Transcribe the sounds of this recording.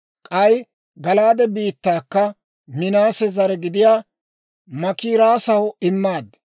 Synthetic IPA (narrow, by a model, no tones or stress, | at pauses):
kʼɐj | ɡɐlaːd̪ɛbiːt̪ːaːkːɐ | mɪnaːsɛzɐɾɛɡɪd̪ɪjaː | mɐkiːɾaːsɐwʊɪmːaːd̪